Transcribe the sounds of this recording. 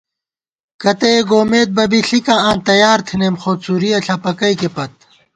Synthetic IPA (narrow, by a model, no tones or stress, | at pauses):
kɐt̪eeɡoːmeːt̪̚bɐbiɬikããːnt̪ɐjaːɾt̪ʰineːmxoːt̪suɾijɐɬʰɐpɐkɐjkepɐt̪̚